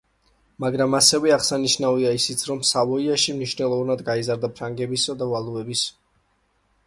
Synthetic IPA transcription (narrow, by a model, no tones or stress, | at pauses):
maɡɾamasɛvɛaʁsaniʃnaviaisit̪sʰɾɔmsavɔiaʃimniʃnɛlˠɔvanad̪ɡaizaɾd̪apʰɾaŋɡɛbisad̪avalˠuɛbis